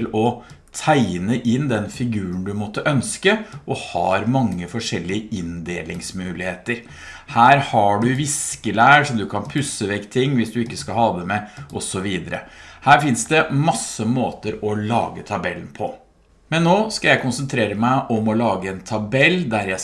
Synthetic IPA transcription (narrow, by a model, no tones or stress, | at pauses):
lɔt̪ʰæɪnəʔɪnd̪ɛnfɪɡʉːəɳ̩d̪ʉmɔt̪ːəʔœnskəʔɔhɑːɾmɑŋːəfɔʂɛlːɪəɪnd̪eːlɪŋsmʉːlɪheːt̪əɾ | hæːɾhɑɖʉʋɪskəlæːʂɔmd̪ʉkʰɑnpʰʉsːəʋɛkːt̪ʰɪŋːʋɪsd̪ʉɪkːəskɑlhɑːd̪əmɛʔɔsɔʋiːd̪əɾə̰hæːɾfɪnsd̪ɛmɑsəmoːt̪əɾɔlɑ̰ːɡət̪ʰɑbɛln̩pʰɔ | mɛnːoːskɑljæɪkʊnsənt̪ʰɾeːɾəmæɪʔɔmɔlɑːɡəɛnt̪ʰɑbɛlːd̪æɾjæ